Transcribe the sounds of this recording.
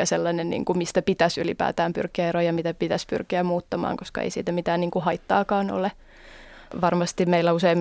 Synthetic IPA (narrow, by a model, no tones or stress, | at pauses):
ɑselːɑnennḭːŋkumist̪æpit̪æsylḭpæ̰ːt̪æːmpy̰rkiæerojɑmit̪æpit̪æspy̰rkiæmuːt̪ːɑmɑ̰ːŋkoskɑ̰ḛisḭːt̪æmit̪æːnniːŋkuhɑit̪ːɑːkɑːno̰le | ʋɑrmɑst̪imeilːˑæuseim